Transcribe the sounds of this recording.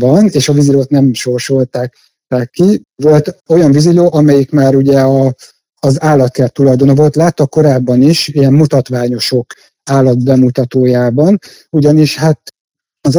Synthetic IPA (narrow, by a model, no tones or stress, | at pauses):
vɒneːʃɒviziloːt̪nɛmʃo̞rʃo̞lt̪aːk | t̪aːkːi | vo̞lt̪o̞jɒɱviziloːʔɒmɛjikmaːɾuɟɛɒː | zaːlːɒt̪kɛlt̪ːulɒjd̪o̞novo̞lt̪laːt̪ːɒkːo̞ɾaːbːɒniʃijɛmmut̪ɒt̪ʋaːɲo̞ʃo̞k | aːlːɒt̪̚bɛmut̪ɒt̪oːjaːbɒn | uɟɒniʃhaːt̪ | ɒz